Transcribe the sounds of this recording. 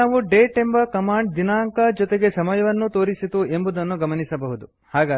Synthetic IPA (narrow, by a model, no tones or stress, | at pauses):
aːʋuɖeːʈembɐkɐmaːɳɖd̪inaːŋkɐd͡ʒɔt̪eɡe̞sɐmɐjɐʋɐnːut̪o̞ːɾisit̪ue̞mbud̪ɐnːuɡɐmɐnisɐbɐɦud̪u | haːɡaː